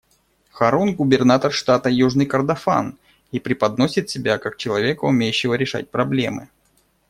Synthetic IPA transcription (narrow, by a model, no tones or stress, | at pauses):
xɐɾonɡʊbʲɪrnat̪ərʂt̪at̪əjuʐnɨjkərd̪ɐfa̰n | ipɾʲɪpɐd̪nosʲɪt̪sʲɪbʲakak̚t͡ɕɪlˠɐvʲe̞kəʊmʲejʉɕːɪvəɾʲɪʂa̰t̚ʲpɾɐblʲe̞̰mɨ̰